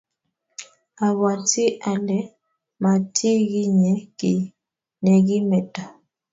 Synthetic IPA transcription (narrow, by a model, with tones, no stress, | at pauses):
a˨βa˨ti˦ʔa˨lɛ˨˦ | ma˨tʰi˦ɣi˦ɲɛ˨˦ki˨ | nɛ˨ɣi˦mɛ˨ta˨